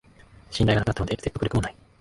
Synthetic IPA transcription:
ɕĩnd̪ajɡanaknatːanod̪eset̪ːokɯɾɯ̟kɯmonai

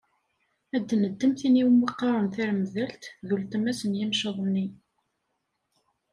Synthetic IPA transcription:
æd̪ːnəd̪ːəmθiniwmːəqːɑɾˤənθæɾməðælt̪ðult̪əmæsənjimʃəðˤənːi

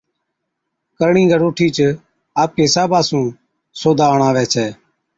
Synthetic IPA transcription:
kəɾɳĩːɡʱəɾoːʈʰiːt͡ʃ | aːp̚keːsaːbaːsũː | soːd̪ʱaːɳãːʋɛːt͡ʃʰɛː

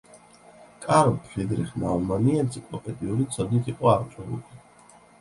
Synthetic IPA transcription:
kʼaɾpʰχid̪ɾiχnalmaniɛnt̪sʰikʼlˠɔpʼɛd̪ʼiuɾit̪sʰɔd̪nit̪ʰiqʼɔaʁt͡ʃʼɛlṵli

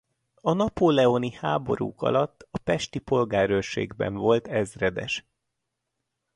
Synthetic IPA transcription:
ɒnɒpoːlɛonihaːbo̞ɾṵːkɒ̰lɒt̪ːɒpɛʃt̪ipo̞lɡaːɾølʃḛːɡbɛ̰ɱvo̞lt̪ɛzrɛd̪ɛʃ

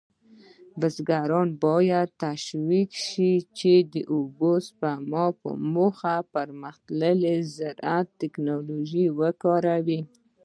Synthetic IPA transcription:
bəsɡaɾɑnbɑjad̪̚t̪aʃwikʃit͡ʃed̪əʔobospamɔpə̰moxapaɾməxt̪ləlezaɾat̪ːɪknoloʒiwəkɑɾawi

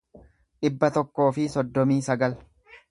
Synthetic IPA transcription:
ᶑɪbːɐt̪ɔkːo̞ːfɪsɔd̪ːɔmiːsɐɡɐl

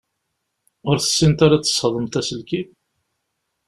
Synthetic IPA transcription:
ʊɾθə̥sːint̪aɾat͡sːə̥sˤħəðˤəmt̪æsəlkið

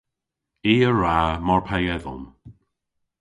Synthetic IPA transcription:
iːəɹamɔɹpʰajɛðə̰lm

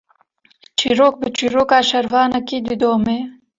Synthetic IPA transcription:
t͡ʃiːɾoːk̚bɨt͡ʃiːɾoːkaːʃɐɾvɑːnɐkiːd̪ɨd̪oːmeː

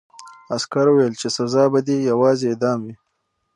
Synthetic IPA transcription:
askaɾuwejlt͡ʃesazɑːbad̪ejawɑːzeed̪ɑːmwi

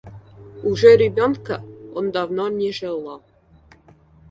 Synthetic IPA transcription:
uʐerʲebʲonkəond̪ɑvnonʲeʐelˠɑ

